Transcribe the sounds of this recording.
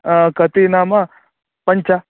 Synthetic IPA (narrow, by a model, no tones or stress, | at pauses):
kɐt̪inaːma | pɐɲt͡ʃa